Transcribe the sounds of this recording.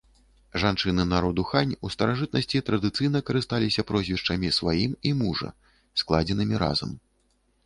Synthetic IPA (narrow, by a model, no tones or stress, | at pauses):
ʐant͡ʂɨnɨnaɾɔd̪uxanʲust̪ɐɾaʐɨt̪̚nɐsʲt͡sʲit̪ɾɐd̪ɨt̪sɨjn̪ɐkɐɾɨst̪alʲisʲɐpɾɔzʲvʲiʂt͡ʂɐmʲisvajimimuʐɐ̰ | sklˠad͡zʲɛnɨmʲiɾa̰zɐ̰m